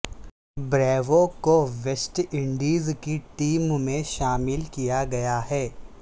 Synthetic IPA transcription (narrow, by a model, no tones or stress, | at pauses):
bɾɛːʋõkoʋesʈɪ̃ɳɖiːzkiʈiːmmẽʃaːmɪlkijaɡɐjaɦɛː